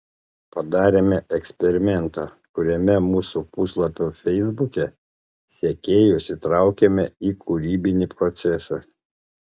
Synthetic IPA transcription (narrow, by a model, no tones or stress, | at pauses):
pɐd̪ɑːɾʲeːmʲɛʔɛksʲpʲɛɾʲɪmʲɛnt̪ɑːkʊɾʲɛmʲɛmuːsupʊslˠɐpʲoːfʲɛɪzbʊkʲɛ | sʲɛkʲeːjʊsʲɪt̪ɾɑˑʊkʲemʲɛikʰʊɾʲiːbʲɪnʲipɾɔt̪sʲɛsɐ